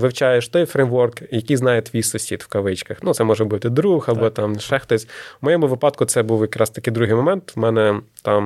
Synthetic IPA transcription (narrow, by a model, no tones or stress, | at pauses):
ʋɪwt͡ʃɑjeʃt̪ɔjfɾejmʋɔrkjɐkijznɑjɛt̪ʲʋʲisʊsʲit̪wkɐʋɪt͡ʃkɐxnut̪sɛmɔʒɛbut̪ɪd̪ɾuxɐbɔt̪ɑmʃɛxt̪ɔsʲmɔjɔmʊʋɪpɑt̪kʊt̪sɛbuwjɐkɾɑst̪ɐ̥kɪjd̪ɾuɦɪjmɔmɛnt̪mɛnɛt̪ɑm